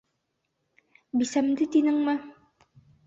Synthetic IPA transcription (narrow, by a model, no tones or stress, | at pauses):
bisæmd̪ɘt̪inɘŋmɘ